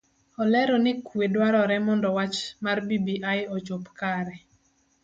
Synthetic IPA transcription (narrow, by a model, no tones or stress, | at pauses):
ɔlɛɾɔnɪkwedwaɾɔɾɛmɔndɔwat͡ʃmarbibiʔajɔt͡ʃopkaɾɛ